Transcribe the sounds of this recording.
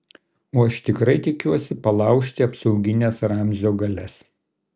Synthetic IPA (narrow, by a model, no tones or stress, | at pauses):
oːɐʃt̪ʲɪkɾɐɪt̪ʲɪkʲuɔsʲɪpɐlˠɐˑʊkʃʲt̪ʲɪɐpsɒʊɡʲɪnʲɛsɾɑmʲzʲoːɡɐlʲɛs